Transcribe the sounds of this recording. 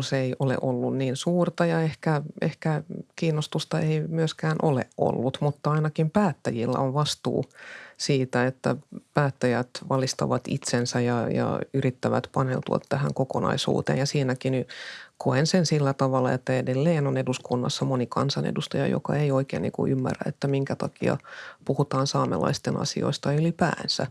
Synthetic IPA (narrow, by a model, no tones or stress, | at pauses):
seiʔolḛʔolːunniːnsuːrt̪ɑjɑehkæehkækiːnːost̪ust̪ɑeimyøskæːnʔolḛʔʔo̰lːut̪mut̪ːɑɑinɑkimpæːt̪ːæjilːæ̰oʋʋɑst̪ṵːsiːt̪æet̪ːæ̰pæːt̪ːæjæt̪ʋɑlist̪ɑ̰ʋɑt̪ḭt̪sensæjjɑjɑ̰yrit̪ːæʋæt̪pɑnḛlt̪uɑt̪tæhæŋkokonɑ̰isṵːt̪ḛːnjɑsiːnækinykʰoensensilːæt̪ɑʋɑlːˑɑet̪ːæedelːeːnoneduskunːɑ̰sːɑmonikɑnsɑnḛdust̪ɑjɑ̰jo̰kɑeioikḛːnḭːŋkṵʔymːæ̰ræ̰et̪ːæmiŋkæt̪ɑkiɑ̰puhut̪ɑːnsɑːmḛlɑ̰ist̪enʔɑ̰sḭo̰ist̪ɑylipæ̰ːnsæ̰